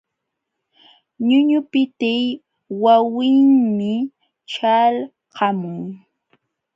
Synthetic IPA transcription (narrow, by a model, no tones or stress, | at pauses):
ɲʊɲʊpɪt̪ɪj | wawɪŋmɪ | ʈ͡ʂal | qɑmʊŋ